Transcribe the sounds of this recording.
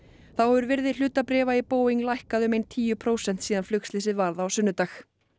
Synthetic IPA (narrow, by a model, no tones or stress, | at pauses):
θawhɛvʏɾvɪɾðɪl̥ʏːt̪apɾɛːvaipoːwiŋlajhkaðʏmejnt̪ʰiːjʏpʰɾoːwsɛn̥t̪siːðanflʏkslɪsɪðvaɾðaːwsʏnːʏt̪aːx